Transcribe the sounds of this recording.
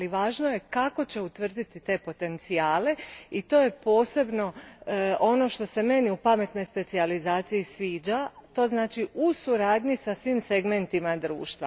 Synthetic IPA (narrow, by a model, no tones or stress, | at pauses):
liʋaːʒnojekako̞t͡ɕe̞ut̪ʋr̩d̪it̪it̪e̞po̞t̪e̞nt̪sijaːle̞it̪o̞ːje̞po̞ːse̞bno̞ʔo̞no̞ʃt̪o̞se̞me̞niupame̞t̪no̞jspe̞t̪sializaːt̪sijisʋiːd͡ʒat̪o̞ːznaːt͡ʃiusuɾaːd̪ɲisasʋimse̞ɡme̞nt̪imad̪ɾṵːʃt̪ʋa̰